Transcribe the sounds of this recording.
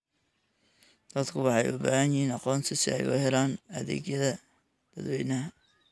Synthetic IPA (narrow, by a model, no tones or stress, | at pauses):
d̪̥ɐd̪kʰʊwɑħɑjʊbaːhɐnjhiːnɑqɔːnt̪ʰɪsɪ̰ɛ̰jʊhɛlaːnɐðɛ̰ːɡjɐðɐ | d̪b̥̪ɐd̪wɛjnɐɦɐ